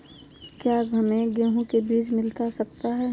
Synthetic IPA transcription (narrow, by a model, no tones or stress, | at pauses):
kjaːɡʱəmẽɡɪɾɦõkebiːt͡ʃmɪlt̪asɐk̚t̪aɦɛː